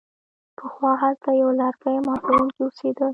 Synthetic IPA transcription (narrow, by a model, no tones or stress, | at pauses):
pʰəxwɑɦalt̪ajawlaɾkajmɑt̪aɾuŋkiʊsed̪əl